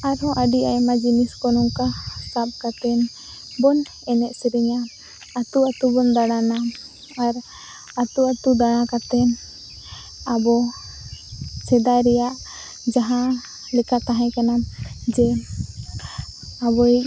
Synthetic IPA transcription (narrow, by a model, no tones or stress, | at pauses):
aɾɦɔ̃ʔəɖiajmad͡ʒiniskɔnɔŋkasap̚kat̪ɛn | bɔn | ɛnɛʔ̚siɾɛɲaː | t̪uat̪ubɔnd̪aɽ̃ana | aɾ | at̪uat̪ud̪aɽ̃ãkat̪ɛn | abɔ | sɛd̪ajɾɛjaʔ | d͡ʒaɦã | lɛkat̪aɦãkanand͡ʒɛ | abɔi